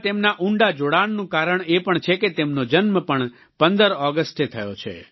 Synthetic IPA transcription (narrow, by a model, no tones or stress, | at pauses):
t̪emnaʔũɳɖad͡ʒoɽannũkaɾəɳepəɳt͡ʃʰeket̪emnod͡ʒənməpəɳ | pənd̪əɾɔɡəsʈet̪ʰəjot͡ʃʰḛ